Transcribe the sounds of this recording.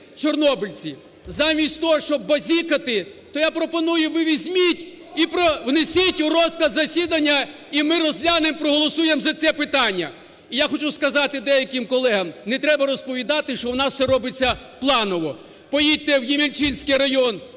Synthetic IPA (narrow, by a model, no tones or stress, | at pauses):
t͡ʃɔrnɔbɪlʲt͡sʲi | zɑmʲisʲtʲt̪ɔɦɔʃt͡ʃɔb̚ːɐzʲikɐt̪ɪt̪ɔjapɾɔpɔnujʊʋɪʋʲizʲmʲitʲ | ipɾɔwnesʲitʲʊrɔsklˠɐd̪zɐsʲid̪ɐnʲːɐ | imɪrɔzlʲanempɾɔɦɔlˠɔsujemzɐt̪sɛpɪt̪ɑnʲːɐ̰ | ijaxɔt͡ʃuskɐzɑt̪ɪd̪ɛjɐkɪmkɔlˠɛɦɐmnɛt̪ɾɛbɐɾɔspɔʋʲid̪ɑt̪ɪʃt͡ʃɔwnɑssɛɾɔbɪt͡sʲːɐ | plˠɑnɔʋɔ | pɔjit̚ʲt̪ːɛwjimʲilʲt͡ʃinʲsʲkɪjɾɐjɔn